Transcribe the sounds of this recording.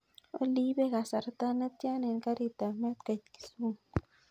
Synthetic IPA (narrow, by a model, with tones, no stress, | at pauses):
o̰˦li˦be˦ɡa˨sa˨ɾt̪a˦na˦t̪ja˦ne˨nka˦ɾi˨t̪a˨me˦t̪ka˨t̪ki̥˦su˦ŋ